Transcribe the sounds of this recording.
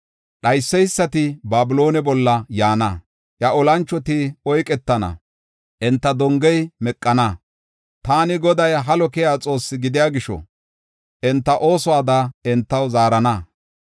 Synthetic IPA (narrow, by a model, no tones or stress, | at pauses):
ɗɐjsːɛjsːɐt̪ɪbaːbɪlo̞ːnɛbɔlːɐjaːnɐ | jɐʔɔlɐnt͡ʃːɔt̪ɪɔjkʼɛt̪ːɐnɐ̰ | ʔɛnt̪ːɐd̪ɔŋɡɛjmɛkʼːɐnɐ | t̪aːnɪɡɔd̪ɐjɦɐlɔkɪjaːt͡sʼo̞ːsːɪɡɪd̪ɪjaːɡɪʃɔ̰ | ʔɛnt̪ːɐʔo̞ːsɔaːd̪ɐɛnt̪ːɐwzaːɾɐnɐ